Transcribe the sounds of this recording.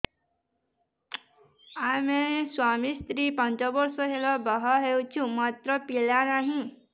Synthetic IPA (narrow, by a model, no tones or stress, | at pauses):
ameswamist̪ɾipant͡ʃɔbɔɾsɔɦelɔbɔɦɔɦewt͡ʃʰũmat̪ɾɔpilanaɦĩ